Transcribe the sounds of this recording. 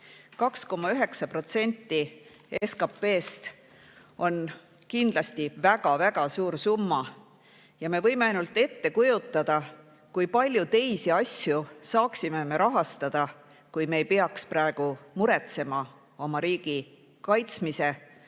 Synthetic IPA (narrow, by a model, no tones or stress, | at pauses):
kɑksko̞mːɑyɦe̞ksɑpro̞t̪se̞nʲt̪ːi | eskɑpːe̞ːst̪ | o̞n | kind̪̥lɑst̪ivæɡ̥ɑvæɡ̥ɑsuːɾsumːɑ | jɑme̞vɤ̞jme̞ɑjnult̪ːˑe̞t̪ːe̞kujut̪ːˑɑd̪̥ɑ | kujpɑlʲjut̪e̞jsiɑsʲjusɑːksimeme̞ɾʔɑɦɑst̪ɑd̪̥ɑ | kujme̞jpeɑksprɑe̞ɡ̥umuɾe̞t̪se̞mɑ | o̞mɑɾiːɡ̥i | kɑjt̪smise̞